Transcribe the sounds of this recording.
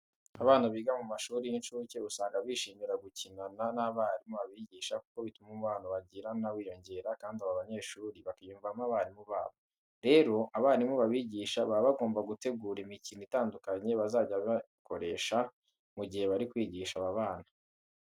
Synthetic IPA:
aβaːnaβiːɡamumaʃuːɾijinʃuoce̞usaːŋɡaβiːʃiːmiɾaɡucinananaβaːɾimuβaβiɟiːʃaku̥ko̞βitumumuβaːnoβaɟiɾanawiːjo̞ɲɟe̞ːɾakaːndiaβaβaɲe̞ːʃuːɾiβakajuːɱvamaβaːnimuβaːβo | ɾe̞ːɾo̞ʔaβaːnimuβaβiːɟiʃaβaβaɡo̞ːmbaɡute̞ɡuːɾimicinitaːndukaɲe̞βazaːɟaβa | ko̞ɾe̞ːʃa | muɟihe̞βaɾikwiːɟiʃaβaβaːna

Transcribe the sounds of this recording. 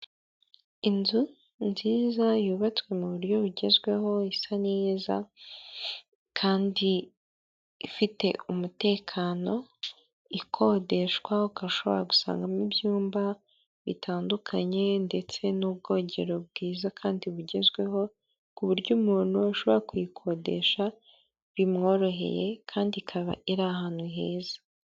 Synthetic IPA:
inzu | nziːzajuːβat͡swe̞muβuɾɟo̞βuɟe̞zɡwe̞ho̞isaniːza̰ | kʰaːndi | ifite̞̰umute̞ːkʰaːno̞ | ikʰo̞ːde̞ʃwaukaʃo̞βo̞̰ɾaɡu̥sa̰ːŋɡamibjuːmba | βḭtʰaːndukʰaɲe̞nde̞t͡se̞nubɡo̞ːɲɟe̞ɾo̞b̚ɡiːzakʰaːndiβuɟe̞zɡwe̞ɦo̞ | kuβuɾɟumuːn̥huaʃo̞βo̞ɾakujikʰo̞de̞̰ʃa | βimŋo̞ɾo̞ɦe̞̰je̞kʰaːndikʰaβa̰ʔiɾahaːnhuɦe̞ːzḁ

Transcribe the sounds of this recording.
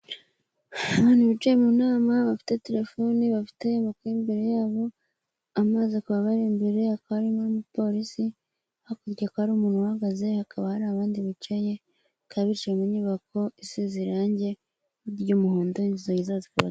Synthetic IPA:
aβaːnhuβit͡ʃejemunaːmaβafi̥te̞te̞ɾe̞fo̞niβafi̥te̞makimbe̞ɾe̞jaːβo̞ | amaːzekuβaβaɾiːmbeɾe̞hakaaɾimomupo̞ɾisi | hakuɾɟakohaɾumuːnhuhaɡaze̞hakʰaβahaɾaːβaːndiβit͡ʃaje̞ | kʰaβit͡ʃemuɲuːβako̞isiziɾaːɲɟe̞ | uɾɟuːmuhuːndoinzizojizazikuβa̰

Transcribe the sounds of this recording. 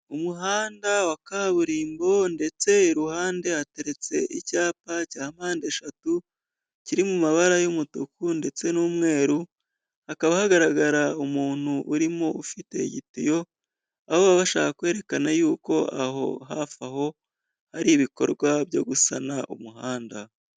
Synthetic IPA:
umuɦaːndawakaβuɾiːmbo̞nde̞t͡se̞iɾuhaːnde̞hate̞ɾe̞t͡se̞̰ʔicaːpacaːhm̥aːnde̞ʃatu | ciɾimumaβaɾajumutokunde̞t͡se̞nuːmŋe̞ːɾu | hakaβahaɡaɾaɡaɾaumuːn̥huʔuɾimoufite̞̰ɟitijo̞ | ahoβaβaʃa̰ːkakwe̞ːɾe̞kanajuːko̞aɦo̞̰ɦafaɦo̞ | haɾiβiko̞̰ɾɡwaβjo̞̰ɡusanaʔṵmuɦaːnda

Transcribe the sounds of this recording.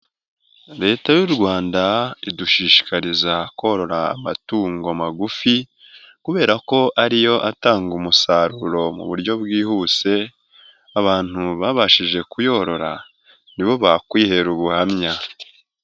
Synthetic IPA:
ɾe̞ːtajuɾɡwaːndaiduʃiːʃi̥kaɾizakoɾo̞ɾa̰ːmatuːŋɡo̞maɡufi | kuβe̞ːɾako̞ʔaɾijo̞ʔataːŋɡumusaɾuɾo̞mṵβuɾɟo̞βɡiːhuːse̞ | aβaːn̥uβaβaʃiʒe̞kujo̞ɾo̞ɾa̰ | niβo̞βakwiːhe̞ɾuβuhamɲa

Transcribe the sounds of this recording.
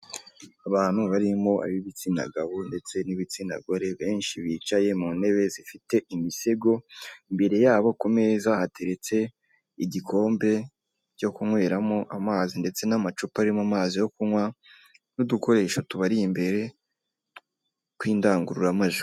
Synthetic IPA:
aβaːn̥huβaɾimo̞ʔa̰βiβit͡sina̰ɡaβonde̞t͡se̞niβit͡sina̰ɡo̞ɾe̞βe̞ːnʃiβiːt͡ʃaje̞mune̞βe̞zifite̞imise̞ɡo̞imbe̞ɾe̞jaːβo̞kome̞zahatʰe̞ɾe̞t͡se̞ | iɟikʰo̞ːmbe̞ | ɟo̞kuŋwe̞ːɾamo̞ʔamaːzinde̞t͡se̞namat͡ʃupaɾimamaːzijo̞kuŋŋwa | nuduko̞ɾe̞ːʃotuβaɾijimbe̞ɾe̞ | kwiːndaːŋɡuɾuɾamaʒu

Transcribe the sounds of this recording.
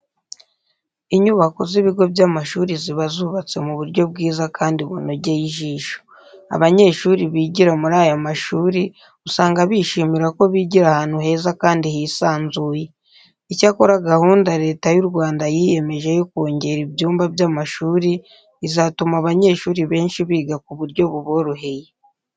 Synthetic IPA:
iɲuβako̞ziβiɡo̞bjaːmaʃuːɾiziβazuːβat͡se̞muβuɾɟo̞b̚ɡiːzakʰaːndiβṵnoɟejiʒiːʃo̥ | a̰βaɲe̞ːʃuːɾiβiːɟiɾamuɾaːjomaʃuːɾi | usaːŋɡaβiʃiːmiɾako̞βiɟiɾahaːn̥huɦe̞ːzakaːndihisaːnzuːje | icako̞ɾaɡahuːndaɾe̞ːtajuɾɡwaːndajije̞me̞ʒe̞joko̞ːɲɟe̞ɾibjuːmbabjaːmaʃuːɾiː | zatumaβaɲe̞ːʃuːɾiβe̞ːnʃiβiːɡakuβuɾɟo̞βuβo̞ɾuɦe̞je

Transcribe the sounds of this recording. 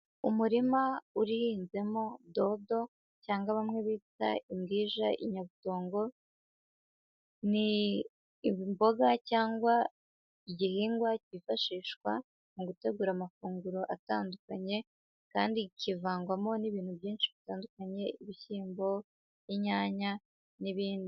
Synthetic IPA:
umuɾimauɾihiːnze̞mo̞do̞do̞ | caːŋɡwaβamŋe̞βiːta̰imɡiːʒaʔḭɲaβuto̞ːŋɡo̞ | niː | βimbo̞ɡacaːŋɡwa | iɟihiːŋɡwacifaʃiːʃkwa | muɡute̞ɡuɾamafuːŋɡuɾo̞ʔataːndukaɲe̞ | ka̰ːndicivaːŋɡwamo̞niβiːn̥huβjiːnʃiβitaːndukaɲe̞iβiçiːmbo̞ | iɲaːɲa | niβiːndi

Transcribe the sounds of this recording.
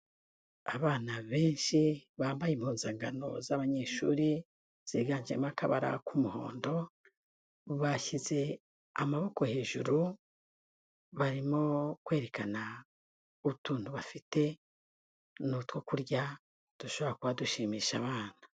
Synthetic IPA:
aβaːnaβe̞ːnʃiβaːmbajimhuːnzaːŋɡano̞̰zaβaɲe̞ʃṵːɾi | z̥iɡaːɲd͡ʒiḛmakaβa̰ɾa̰kʰumuho̞̰ːndo̞ | βaçize̞ | a̰maβo̞ko̞he̞ːʒuɾu | βaɾimo̞kwe̞ːɾe̞kana | uβutuːnhuβafite̞ | nutwo̞kuɾɟa | d̥uʃo̞βoɾakuβaduʃiːmiːʃaβaːn̥a

